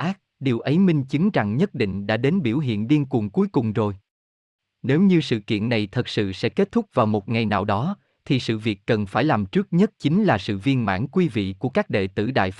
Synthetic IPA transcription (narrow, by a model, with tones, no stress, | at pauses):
ʔaː˦˥t̚ɗi˨˩əwʔə˨˦jmï˧ŋ̟t͡ɕɨ˨˦ŋza˨˩ŋɲə˦˥t̚ɗḭ̈˧˨ŋ̟ɗa̰ː˧˥ɗe˨˦nɓi˧˩əwɦḭ˧˨ənɗi˧ənkʊ˨˩ŋ͡mku˨˦jkʊ˨˩ŋ͡mzo˨˩j | ne˨˦wɲɨ˧sɨ̰˧˨kḭ˧˨ənːa˨˩jt̪ʰə˨˩t̚sɨ̰˧˨sɛ̰˧˥ke˦˥t̚t̪ʰʊ˦˥k͡p̚vaː˨˩wmo˨˩t̚ŋa˨˩jna̰ː˧˨wɗɔ˨˦ | t̪ʰi˨˩sɨ̰˧˨vi˨˩əkːə˨˩nfaː˧˩jlaː˨˩mt͡ɕɨ˦˥ək̚ɲə˦˥t̚t͡ɕï˨˦ŋ̟laː˨˩sɨ̰˧˨vi˧ənma̰ː˧˥nkwi˧vḭ˧˨ku˧˩əkaː˦˥k̚ɗḛ˧˨t̪ɨ̰˧˩ɗa̰ː˧˨j